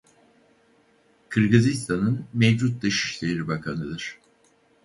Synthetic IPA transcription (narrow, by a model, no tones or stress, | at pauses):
kʰɯɾɡɯzist̪ʰanɯnmevd͡ʒut̪̚d̪ɯʃi̥ʃlʲe̞ɾibakʰanɯd̪ɯɾ̥